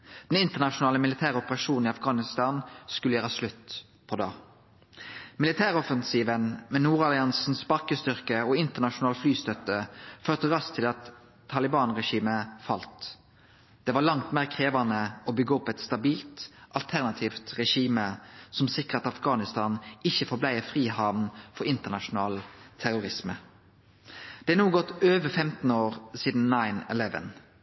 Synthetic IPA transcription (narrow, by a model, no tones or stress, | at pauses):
d̪̥ɛnɪnt̪əʁnɑʃʊnɑːləmɪlɪt̪ʰæːʁɔpəʁɑʂuːnniɑfɡɑːnɪst̪ɑːnskʉləjøːʁəɑslʉt̪ː | pʰɔd̪ɑ̰ː | mɪlɪt̪ʰæːʁɔfənsiːʋənmɛnuːʁɑlɪɑnsn̩sbɑkəst̪ʏʁkəoːɪnt̪əʁnɑʃʊnɑːlt̪flyːst̪œt̪ːəføːʁt̪əʁɑst̪ʰɪlɑt̪ʰː | ɑlɪbɑːnʁɛʃiːməfɑlt̪ | d̪̥ɛʋɑʁlɑŋt̪meːʁkʰʁeːʋɑnəobʏɡːəɔpːɛt̪st̪ɑbiːlt̪ʔɑlt̪ʰæʁnɑt̪ʰiːft̪ʁɛʂiːməsɔmsɪkəʁɑt̪ɑfɡɑːnɪst̪ɑːnɪçːəfɔblæɪəfʁiːhɑːʋnfɔɾɪnt̪ənɑʃʊn̩ɑːlt̪ʰæʁʊʁɪsmə | d̪̥ɛænuːɡɔt̪ːøːʋəfɛmt̪n̩oːʁsiːd̪n̩nɑɪnɛ̰lɛʋə̰n